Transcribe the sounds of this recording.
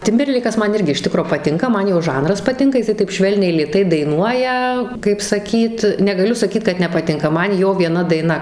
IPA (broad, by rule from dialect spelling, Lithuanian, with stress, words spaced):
ˈtʲɪmʲbʲɛrʲlʲɛɪkɐs ˈmɐn ˈɪrʲɡʲɪ ɪʃ ˈtʲɪkroː pɐˈtʲɪŋkɐ ˈmɐn joː ˈʒɐnrɐs pɐˈtʲɪŋkɐ jɪˈsɐɪ tɐɪp ˈʃʲʋʲɛlʲnʲɛɪ lʲeːˈtɐɪ dɐɪˈnuɔjɛ kɐɪp sɐˈkʲiːt nʲɛɡɐˈlʲʊ sɐˈkʲiːt kɐt nʲɛpɐˈtʲɪŋkɐ ˈmɐn ˈjoː ʋʲiɛˈnɐ dɐɪˈnɐ